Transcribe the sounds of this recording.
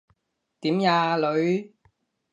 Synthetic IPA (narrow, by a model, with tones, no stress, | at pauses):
t̪iː˨˥mjaː˧lɵ˨˧ɥ